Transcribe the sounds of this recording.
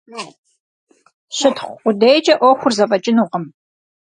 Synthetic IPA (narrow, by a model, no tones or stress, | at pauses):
ɕɨtχʷʊdejd͡ʒʼɐʔʷɔxʷʊrzɐpʼɐt͡ʃʼɪnuːʁəm